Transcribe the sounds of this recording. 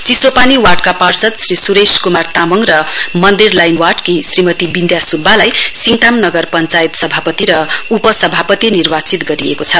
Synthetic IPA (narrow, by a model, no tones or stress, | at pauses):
t͡sisopaniwaʈ̚kaparsʌt̪srisuɾeskumart̪amʌŋrʌmʌnd̪irlajnwaʈkisrimʌt̪ibind̪jasubʱːalajsiŋʈamnʌɡʌrpʌnt͡sait̪sʌbʱapʌt̪iɾʌupʌsʌbʱapʌt̪inirbat͡sit̪ɡʌɾiekot͡sʰʌ